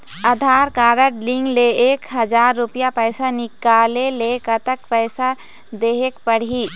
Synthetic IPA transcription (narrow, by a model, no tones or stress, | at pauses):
əd̪ʱaːɾkaːɾəʈlĩŋɡleeːkɦəd͡ʒaːɾːupijapəɪsanɪkaːlelekət̪əkpəɪsa | d̪eɦekpəɽ̤iː